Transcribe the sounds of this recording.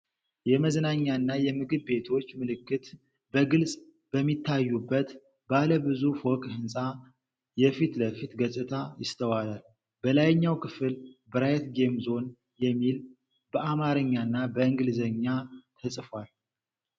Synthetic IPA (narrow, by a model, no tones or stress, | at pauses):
jɛməzənaɲːanːajɛmɨɡɨβbe̞t̪ʰo̞t͡ʃːmɨlɨkːɨt̪ | bəɡɨlsʼ | b̥əmːit̪ʰːajːubːət̪ | baləbɨzufwɔkʼhɨnsʼa | jɛfit̪ləfit̪ɡəsʼɨt̪ʰajɪst̪ʰəwalal | bəlajɛɲːawkʰɨfɨlbəɾajɛt̪ɡe̞mzo̞n | jɛmːil | bəʔamaɾɨɲːanːabəɨŋɡɨlzəɲːat̪ʰəsʼfwal